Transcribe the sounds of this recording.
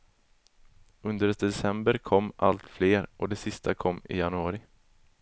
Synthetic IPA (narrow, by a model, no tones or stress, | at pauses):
ɵnd̪əɾɛd̪ɛsɛmbəɾkʰɔmːʔa̰lt̪fleːɾɔd̪ɛsɪst̪ʰakʰɔmːɪ̰janɵɑːɾɪ